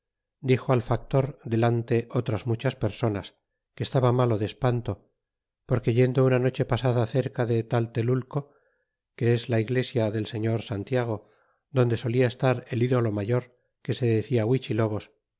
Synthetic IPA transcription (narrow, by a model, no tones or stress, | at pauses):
d̪ixo̞alfak̚t̪o̞ɾd̪e̞lant̪e̞ʔo̞t̪ɾazmut͡ʃaspe̞ɾso̞nas | kest̪aβamalo̞ðespant̪o̞ | po̞ɾke̞ʝe̞nd̪ounano̞t͡ʃe̞pasaðaθe̞ɾkaðet̪alt̪e̞lulko̞ | ke̞ezlaiɣle̞sjaðe̞lse̞ɲo̞ɾsant̪jaɣ̞o̞ | d̪o̞nd̪e̞so̞liaest̪aɾe̞liðo̞lo̞maʝo̞ɾ | ke̞se̞ðeθiawit͡ʃilo̞βo̞s